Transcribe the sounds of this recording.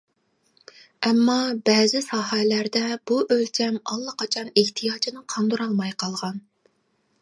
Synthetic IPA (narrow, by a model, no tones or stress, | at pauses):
ɛmːɑbɛːzɪsɑɦɛlæɾd̪ɛb̥uʔølt͡ʃʰɛmɑlˠːɑqʰɑt͡ʃʰɑneht̪ʰijɑːt͡ʃʰinɨqʰɑnd̪uɾɑlˠmɑjqʰɑlˠʁɑn